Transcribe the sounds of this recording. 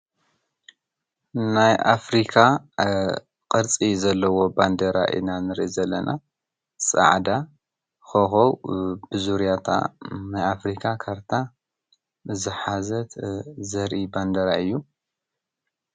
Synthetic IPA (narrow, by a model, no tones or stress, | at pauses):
najʔafɾikʰa | qʼɨɾt͡sʼizɐlːɐwo̞band̪ɐɾa̰ʔɨ̰nanɨɾʔizɐlːɐnʔa̰ | sʼɐ̰ʕd̪a | xoxowb̥ɨzuɾjat̪ʰa̰najafɾikʰakʰaɾt̪ʰa | zɨħazɐt̪zɐɾʔiband̪ɐɾaɨjːu